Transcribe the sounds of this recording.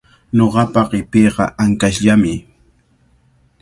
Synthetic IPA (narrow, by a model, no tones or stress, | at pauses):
noɢɑpɑɢɪpeːɢɑ̰ʔaŋkaʃʎamɪ